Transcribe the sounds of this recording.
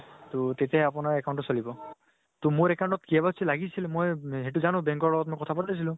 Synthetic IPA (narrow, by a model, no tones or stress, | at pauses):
t̪ot̪etɛɦɛapɔnaɹɛkaw̃ɳʈɔsolibɔ | t̪umoɹɛkaw̃ɳʈtɔtkiɛbasʰilaɡisilmojɦet̬uzanũbɛŋkɔɹlɔɡɔt̚mojkɔt̪ʰapatas̬ilʊ̃